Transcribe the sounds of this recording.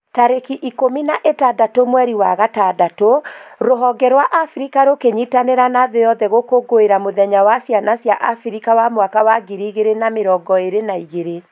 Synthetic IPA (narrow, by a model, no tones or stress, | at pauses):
taɾekiʔikominaʔetadatomwɛɾiwaɣatadatoɾoɦɔɡɛɾwaʔafɾikaɾokeɲitanɛɾanaðejɔðɛɣokoɡoeɾamoðɛɲawasjanasjaʔafiɾikawamwakawaɡiɾiɣeɾenameɾɔːɡɔeɾenaiɣeɾe